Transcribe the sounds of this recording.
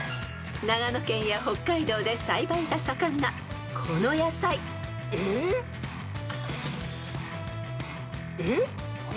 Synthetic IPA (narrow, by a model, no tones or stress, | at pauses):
naɡano̞kẽ̞ɰ̃jaho̞kːaid̪o̞ːd̪e̞saibaiɡasakãnːa | kʰo̞no̞jasai | e | e